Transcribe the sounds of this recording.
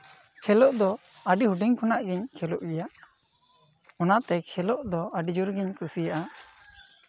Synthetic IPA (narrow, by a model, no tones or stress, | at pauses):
kʰɛlɔʔd̪ɔ | aɖihuɖiŋkʰɔnaʔɡiɲkʰɛlɔʔɡɛjaʔ | ɔnaʔt̪ɛkʰɛlɔʔd̪ɔaɖid͡ʒuɾɡiɲkusijaʔa